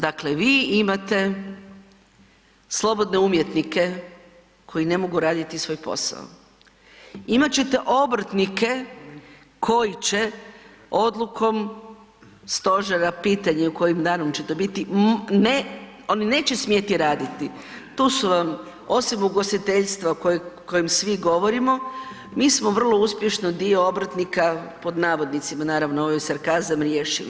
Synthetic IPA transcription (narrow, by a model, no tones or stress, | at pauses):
d̪akleʋiːimat̪e̞ | slˠo̞bo̞d̪ne̞umjet̪nike̞ | kʰo̞jine̞mo̞ɡuɾaːd̪it̪isʋo̞jpo̞̰sa̰o̰ | imat͡ɕe̞t̪eʔo̞bɾ̩t̪nike̞ | kʰo̞jit͡ɕe̞ | o̞d̪lˠukʰo̞m | st̪o̞ʒeɾapiːt̪aɲeuko̞jimd̪aːnomt͡ɕe̞t̪obit̪ineo̞nine̞ːt͡ɕesmjet̪iɾaːd̪it̪i | t̪uːsuʋam | o̞simuɡo̞st̪it̪e̞ʎst̪ʋakojko̞jimsʋiɡo̞ʋo̞ɾimo̞ | miːsmoʋr̩lˠo̞uspje̞ʃnod̪io̞obɾt̪nikapo̞d̪naːʋo̞d̪nit̪simanaːɾaʋnooʋojsaɾkazamɾjeːʃilḭ